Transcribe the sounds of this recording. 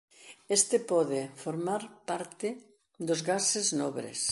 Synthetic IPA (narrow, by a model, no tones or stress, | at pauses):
est̪ɪpɔðɪfoɾmaɾpaɾt̪ɪ | d̪ozɣaseznɔβɾḛs